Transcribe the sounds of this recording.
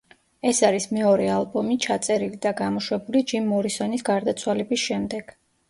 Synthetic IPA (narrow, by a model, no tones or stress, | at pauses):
ɛsaɾismɛɔɾɛalˠbɔmit͡ʃʰat̪sʼɛɾilid̪aɡamɔʃwɛbulid͡ʒimːɔɾisɔnisɡaɾd̪at̪sʰwalɛbisʃɛmd̪ɛɡ̥